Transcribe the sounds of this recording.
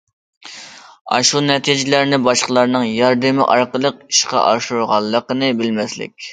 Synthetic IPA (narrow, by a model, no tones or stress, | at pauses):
ɑ̰ʃunɛt̪ʰid͡ʒɪlæɾnɪbɑʃqəlˠɑɾnɨŋjɑɾd̪ɪmɪ̰ʔɑɾqəlˠəqiʃqɑ̰ʔɑʃuɾʁɑlˠːəqənɨbɪlmɛslɪ̰kʲ